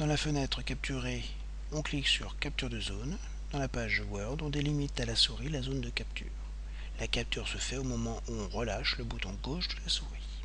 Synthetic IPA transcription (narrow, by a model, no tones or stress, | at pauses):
d̪̥ɑ̃lafənɛt̪χəkap̚t̪ʰyʁe | ɔ̃kliksy̰ʁkap̚t̪yʁd̪əzon | d̪̥ɑ̃lapaʒəwœʁd̪ɔ̃d̪elimit̪alasuʁilazond̪əkap̚t̪ʰy̰ːʁ | lakap̚t̪yʁsəfɛomɔmɑ̃ʔuɔ̃ʁəlaʃləbut̪ɔ̃ɡoʃd̪əlasuʁi